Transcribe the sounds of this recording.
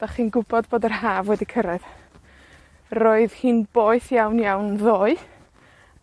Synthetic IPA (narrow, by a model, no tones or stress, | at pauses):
d̥aχiːnɡʊbɔdboːdərɦaːvwɛdikʰəɾɛð | roːɨðhiːnboːɨθjawnjawnðoːɨ